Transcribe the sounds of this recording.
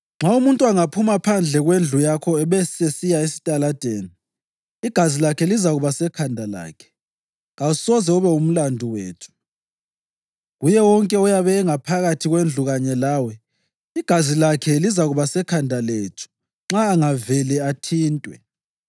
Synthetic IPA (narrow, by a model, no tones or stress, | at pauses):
ŋ͡ǁaumuntʼuaŋapʰumapʰand͡ɮʱɛɣwend͡ɮʱujakʰɔɛβɛsesijaesi̥tʼalad̥ʱeːni | iɡ̥ʱazilakʰɛlizaɣuβasɛkʰandʱala̰ːkʰɛ̥ | ɣausɔzɛuβɛum̩landʱuweːtʰu̥ | ɣujɛwɔŋkʼɛɔjaβɛːŋapʰaɣatʰiɣwend͡ɮʱuɣaɲɛlaːwɛ | iɡ̥ʱazilakʰɛlizaɣuβasɛkʰandʱaleːtʰu̥ | ŋ͡ǁaːŋavɛlɛatʰiːntʼwɛ̰